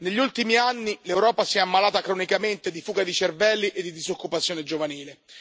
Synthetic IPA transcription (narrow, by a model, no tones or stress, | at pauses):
neʎːult̪imianːilewɾɔːpasiɛamːalaːt̪akɾonikament̪ed̪ifuːɡad̪it͡ʃervɛlːiʔed̪id̪izokːupat̪sːjoːned͡ʒovaniːle